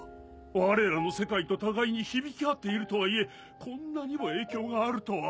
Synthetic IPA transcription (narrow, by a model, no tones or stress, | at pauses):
βaɾe̞ɾano̞se̞kait̪o̞t̪aɡaiɲ̟içibʲikʲiat̪ːe̞iɾɯ̟t̪o̞βaie̞ | kʰõ̞nːaɲ̟imo̞e̞ːkʲo̞ːɡaːɾɯ̟t̪o̞βa